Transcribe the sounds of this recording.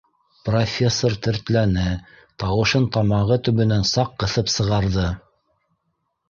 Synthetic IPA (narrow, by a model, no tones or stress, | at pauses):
profʲe̞sːort̪ɘ̆ɾt̪lænɘ | t̪ɑwɤ̆ʃɤnt̪ɑmɑʁɤt̪ɵ̆βɵ̆nænsɑqːɤ̆θɤpsɤ̆ʁɑɾðɤ